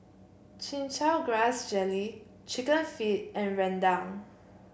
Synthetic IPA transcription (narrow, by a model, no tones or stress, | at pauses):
t͡ʃĩnt͡ʃalɡɹasd͡ʒɛli | t͡ʃikə̃nfit̚ɛ̃nɹɛ̃ndãʊ̃n